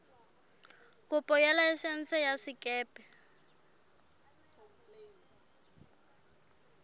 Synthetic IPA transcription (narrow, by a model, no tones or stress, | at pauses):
kʼʊpʼɔjɛlaɛsɛn̩t͡sʰɛjasɪkʼɛːpʼɛ